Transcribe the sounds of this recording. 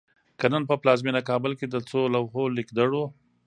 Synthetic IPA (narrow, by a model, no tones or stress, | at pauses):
kanənpəplɑzminakɑbəlked̪ət͡solawɦolikd̪aɽo